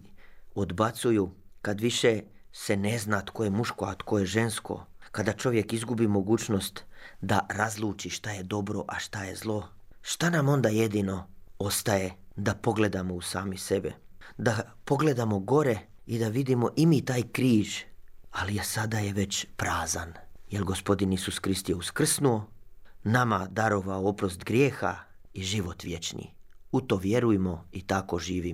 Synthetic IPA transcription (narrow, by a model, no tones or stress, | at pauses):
od̪bat̪sujukad̪ʋiʃesene̞znat̪ko̞jemuʃkoat̪ko̞jeʒe̞nsko̞̰kad̪at͡ʃo̞ʋje̞kizɡubimo̞ɡuːt͡ʃno̞st̪d̪aɾazlˠuːt͡ʃiʃt̪aje̞d̪o̞bɾo̞ʔaʃt̪aje̞zlˠo̞ | ʃt̪anamo̞nd̪aːje̞d̪ino̞o̞st̪ajed̪apo̞ɡle̞d̪amo̞usa̰ːmise̞bḛd̪apo̞ɡle̞d̪amo̞ɡo̞ɾe | id̪aʋid̪imo̞ʔimit̪aːjkɾiːʒaliesad̪ajeʋe̞t͡ɕpɾaːzanjelɡospo̞d̪inisuskɾist̪jeuskr̩snuo̞namad̪aɾoʋaoopɾost̪ɡɾʲjeːxa | iʒiʋo̞t̪ʋje̞t͡ʃnḭut̪oʋje̞ɾujemo̞it̪akoʒiːʋim